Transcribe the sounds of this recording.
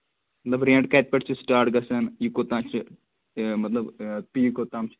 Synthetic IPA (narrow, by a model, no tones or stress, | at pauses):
mɐt̪lɐbɾẽːɳɖ̚kɐːt̪̚pɐʈt͡ʃʰɨsʈaːɾʈɡɐsɐnjiukot̪aːmt͡ʃʰɨ | mɐt̪lɐbpiːjukoːt̪aːmt͡ʃʰ